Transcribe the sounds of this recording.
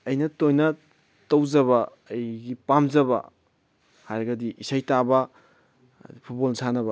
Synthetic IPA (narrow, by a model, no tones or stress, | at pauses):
ɐjnɐtojnɐ | tɐwzɐβɐː | jɡipamzɐbɐ̰ | hajɾɐɡɐdiʔisajtabɐ | pʰut̚bolsʰanɐbɐ